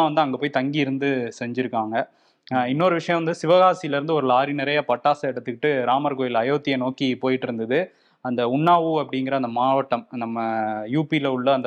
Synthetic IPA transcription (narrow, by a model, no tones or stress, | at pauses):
aʋɐnd̪ɯɐŋɡɐpoːjt̪ɐŋɡiɪɾɯnd̪ɯsɛɲd͡ʒɪɾɯkːaːŋɡɐ | ɪnːoːɾɯʋɪʂɐjɐ̃ʋɐnd̪ɯsɪʋɐɣaːsɪjɪlɪɾɯnd̪ɯɔɾɯlaːɾinɪɾɐjɐpɐʈːaːsɐɪɽɐt̪ːɯkːɪʈːɯɾaːmɐɾkoːjɪlɐjoːt̪ːɪjɐnoːkipoːjɪʈːɪɾɯnd̪ɐðɯ | ɐnd̪ɐʊɳːaːʋɯɐpːɐɽɪŋɡɪɾɐɐnd̪ɐmaːʋɐʈːɐmnɐmːɐjuːpilɐʊɭːɐɐnd̪